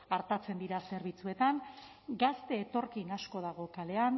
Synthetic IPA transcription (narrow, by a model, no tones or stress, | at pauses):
aɾt̪at͡se̞nd̪iɾase̞ɾβ̞it͡sue̞t̪an | ɡast̪e̞ːt̪o̞ɾkinasko̞ðaɣ̞o̞kale̞an